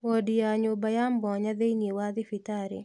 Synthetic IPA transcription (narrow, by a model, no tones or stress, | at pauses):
odjaɲobajambɔɲaðeniwaðɪfitaɾɪ̰